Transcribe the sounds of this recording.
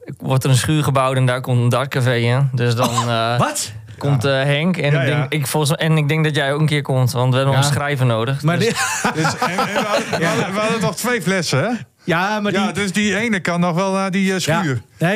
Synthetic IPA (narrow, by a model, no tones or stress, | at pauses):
ʋɔrtərənsχyːrɣəbawtɛndakomtəndɔr̚kafejɪndøsdɔnt | komtəɦɛŋkɛndɪŋɪkfolˠsɛnɪk̚dɪŋk̚dɔtjɛjokən̩kɪərkomtʋɔntʋəɛbənənsxrɛjvənoːdəxmad | ʋadətɔxtʋejflɛsəɛ | jamadøsdiejnəkanːɔxʋɛlˠnadiskyːər